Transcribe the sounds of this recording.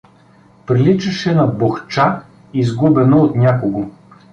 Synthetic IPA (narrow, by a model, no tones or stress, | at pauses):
pɾilit͡ʃɐʃɛnɐboxt͡ʃa | izɡubɛnoot̪nʲakoɡo